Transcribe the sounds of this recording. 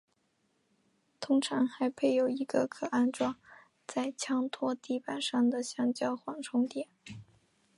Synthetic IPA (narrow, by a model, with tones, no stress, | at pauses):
t̪ʰʊ˥ŋʈ͡ʂʰɑ˧˥ŋxa˧˥ɪpʰe˥˩ɪjo˨˩ʊi˧˥ɡ̥ə˧kʰɤ˨˩a˥˧nʈ͡ʂwɑ˥˩ŋ | t͡sa˥˧ɪt͡ɕʰjɑ˥ŋt̪ʰwɔ˥t̪i˥˩pa˨˩nʂɑ˥˩ŋd̪ə˩ɕjɑ˥˩ŋt͡ɕjɑ˥ʊxwɑ˨˩ŋʈ͡ʂʰʊ˥ŋt̪jɛ˨˩˦n